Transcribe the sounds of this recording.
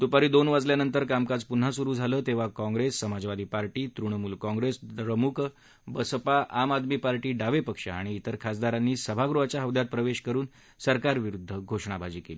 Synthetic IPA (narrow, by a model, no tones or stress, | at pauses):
t̪upaɾiːd̪onʋad͡zljanənt̪əɾkamkad͡zpun̤asuɾuːd͡zʱaləːt̪eʋakɔ̃ŋɡɾesːəmad͡zʋad̪ʱiːpaɾʈiːt̪ɾuɳ̃muːlkɔ̃ŋɡɾesɾəmukʰ | bəspaʔamad̪miːpaɾʈiːɖaʋepəkʂa̰a̰ɽ̃iːt̪əɾkʰas̬d̪aɾanːiːsəbʱaɡɾuɦat͡ɕjaɦəʋd̪jat̪̚pɾəʋeɕkəɾuːn | səɾkaɾʋiɾud̪ʱːəɡʱoʂɳ̃abʱad͡ʑiːkeliː